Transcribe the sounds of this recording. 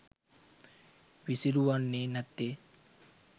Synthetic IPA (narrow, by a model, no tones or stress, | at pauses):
ʋisiɾuʋanːeːnæt̪ːe